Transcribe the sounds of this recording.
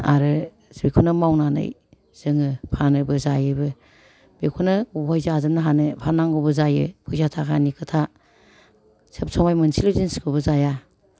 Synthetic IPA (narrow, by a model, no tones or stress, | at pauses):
a̰ɾɯ | sbikʰunamawnanɯ̰j | z̥ɯŋɯpʰanɯbɯzajɯbɯ | bekʰunɯojzazɯmnɯɦanɯpʰanaŋɡɯbɯzajɯ̰bʰujzatʰakʰanikʰɯtʰa | sʰɯp̚sʰɔmajmɯnsilozinskʰɯbɯzaja